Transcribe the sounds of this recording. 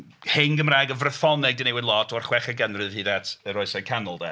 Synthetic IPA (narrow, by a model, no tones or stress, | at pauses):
henɡəmraːɡəvrəθɔnɛɡ̚dinejwɪdlˠɔtʰɔrχwɛχəɡənrɨv̥hidɛtʰəɾɔɨsɛkʰanʊlˠdɛ